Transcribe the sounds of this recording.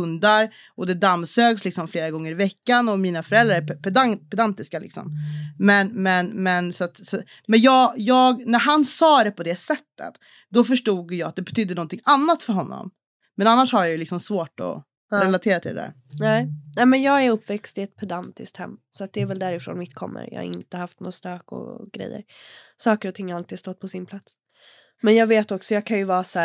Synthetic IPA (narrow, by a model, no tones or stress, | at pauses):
ɵnd̪aɾ | ɔd̪ɛd̪amsøːɡslɪksɔmfleːɾaɡɔŋːəɾɪvɛkːanɔmiːnafœɾɛld̪ɾaɾɛpʰɛd̪apʰɛd̪ant̪ɪskalɪ̰ksɔ̰mmɛnmɛnmɛnsɔat̪sɔ | mɛnjɑːjɑːɡnæɾɦansɑːd̪ɛpʰɔd̪ɛsɛt̪ːə̰t̪ | d̪ɔfœʂʈuːɡjɑːat̪̚d̪ɛbɛt̪ʰʏd̪ːənɔnt̪ʰɪŋanːat̪fœɾɦɔnːɔ̰m | mɛnanːaʂhaɾjajɵlɪksɔmsvoːʈɔ̰ | ɾɛlat̪ʰeːɾat̪ʰɪld̪ɛ̰d̪æ̰ɾ | nɛɪnɛːmɛnjɑːɡæɾɵpːvɛkst̪ɪɛt̪̚pʰɛd̪ant̪ɪ̰st̪hɛ̰mːsɔat̪̚d̪ɛːɾvɛld̪æɾɪfɾo̰ːnmɪt̪ːkʰɔ̰mːə̰ɾjɑ̰ːa̰ɾɪ̰nt̪əhaft̪no̰ːst̪øːkɔ̰ɡ̥ɾɛ̰jːə̰ɾsɑːkəɾɔt̪ʰɪŋːalt̪ɪi̥ːst̪ɔt̪̚ːpʰɔsɪnpʰlat̪s | mɛnjɑːɡveːt̪ɔksɔjɑːɡkʰanjɵvɑːsæː